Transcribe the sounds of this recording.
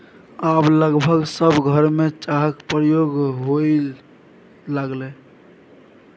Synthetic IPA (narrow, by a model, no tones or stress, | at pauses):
abləɡbʱəɡsəbʱɡʱəɾmet͡ʃaɦəkpɾəjoɡɦo | laɡle